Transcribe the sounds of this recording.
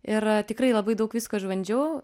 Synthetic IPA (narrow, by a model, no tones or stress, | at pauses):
ɪrt̪ʲɪkɾɐɪlˠɐbɐɪd̪ɐʊkʋʲɪskoːʒʋɐnʲd͡ʒʲuː